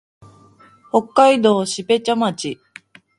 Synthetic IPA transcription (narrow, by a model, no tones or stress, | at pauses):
ho̞kːaid̪o̞ːɕibe̞t͡ɕomat͡ɕi